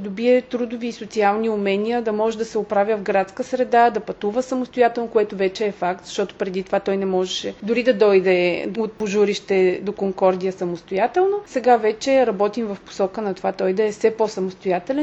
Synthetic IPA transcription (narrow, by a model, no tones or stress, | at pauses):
d̪obiɛt̪ɾud̪ʊviːsot̪sialˠniʊmɛniəd̪ɐmɔʒɛd̪ɐsɛʊpɾavʲəvɡɾat̪skəsɾɛd̪ad̪ɐpɐt̪uvəsɐmost̪ojat̪ɛlˠnokʊɛt̪ʊvɛt͡ʃɛːfak̚t̪z̥ɐʃt̪ɔt̪ʊ̥pɾɛd̪it̪ovat̪ɔjnɛmɔʒɛʃɛd̪ʊɾid̪ɐd̪ɔjd̪ɛot̪̚poʒuɾiʃt̪ɛd̪okoŋkɔɾd̪iəsɐmost̪ojat̪ɛlˠnosɛɡavɛt͡ʃɛɾɐbɔt̪imvɐfpo̥sɔkənɐt̪ovat̪ɔjd̪ɐɛfsɛposɐmost̪ojat̪ɛlʲɛn